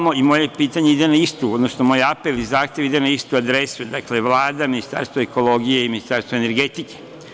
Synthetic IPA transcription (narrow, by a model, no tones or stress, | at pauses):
noimo̞je̞piːt̪aɲe̞id̪enaist̪uod̪nosnomoːjapelizaːxt̪je̞ʋid̪enaist̪uad̪ɾesud̪akle̞ʋlˠaːd̪aminist̪a̰ɾst̪ʋoeko̞lˠo̞ɡije̞iminist̪aɾst̪oene̞ɾɡet̪ike̥